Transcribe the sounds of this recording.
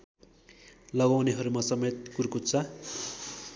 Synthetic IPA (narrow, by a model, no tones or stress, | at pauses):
lʌɡawneɦʌɾumasʌmet̪̚kurkut͡sʰʌ